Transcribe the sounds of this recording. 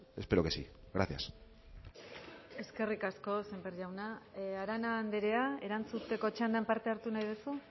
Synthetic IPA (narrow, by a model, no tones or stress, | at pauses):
e̞speɾokesi | ɣɾaθja̰s | e̞ske̞rikasko̞sembeɾʝawnaaɾanaːnd̪eɾe̞ae̞ɾant͡sut̪e̞ko̞t͡ʃand̪ampaɾt̪e̞aɾt̪unajðusu